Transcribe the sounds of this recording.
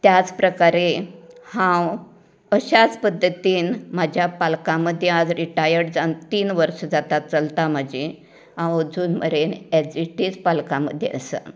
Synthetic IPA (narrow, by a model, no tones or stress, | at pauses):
t̪jat͡spɾəkaɾehãw | əɕat͡spəd̪ʱːət̪iːnmad͡ʑʱjapalkãməd̪ʱːjead͡zɾiʈajəɾɽd͡zant̪iːnʋəɾʂəd͡zat̪at̪̚t͡səlt̪am̤əd͡ʑe | ɦãwəd͡zuːnmə̰ɾened͡ziʈiːt͡spalkãmə̰d̪ʱjḛʔə̰sə̰